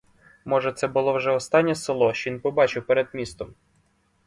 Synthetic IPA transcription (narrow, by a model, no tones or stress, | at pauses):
mɔʒɛt̪sɛbʊlˠɔwʒɛɔst̪ɑnʲːɛselˠɔʃt͡ʃɔʋinpɔbɑt͡ʃɪwpeɾed̪mʲist̪ɔm